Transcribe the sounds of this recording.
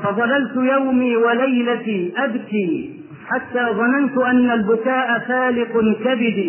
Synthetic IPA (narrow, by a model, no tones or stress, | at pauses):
fɑðˤɑlalt̪ʊjawmiːwalajlat̪iːʔabkiː | ħat̪ːaːðˤɑnant̪ʊʔanːalbʊkaːʔafaːlɪqʊkabɪd̪iː